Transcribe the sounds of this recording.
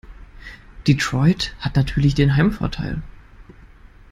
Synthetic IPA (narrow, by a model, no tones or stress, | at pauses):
d̥itʁ̥ɔʏthatnatʰyːɐlɪçd̥eːnɦaɪmfɔ̰ɐtʰa̰ɪl